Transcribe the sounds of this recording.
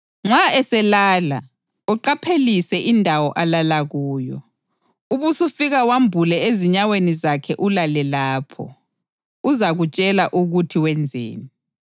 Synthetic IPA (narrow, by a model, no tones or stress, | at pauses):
ŋ͡ǁwaɛsɛlaːla̰ | uǃapʰelisɛʔindʱawɔʔalalaɣuːjɔ | uβusufiɣawambʱulɛeziɲawenizakʰɛʔulalɛlaːpʰɔ̰ | uzaɣut͡ʃʼɛlaʔuɣutʰiwɛnd͡zʱḛːni